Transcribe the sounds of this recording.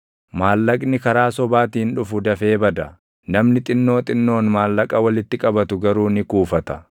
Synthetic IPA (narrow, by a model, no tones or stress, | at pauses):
maːlːɐkʼnɪkɐɾaːsɔbaːt̪iːnᶑʊfʊd̪ɐfe̞ːbɐd̪ɐ | nɐmnɪt̪ʼɪnːo̞ːt̪ʼɪnːo̞ːnmaːlːɐkʼɐwɐlɪt̪ːɪkʼɐbɐt̪ʊɡɐɾuːnɪkuːfɐt̪ɐ̥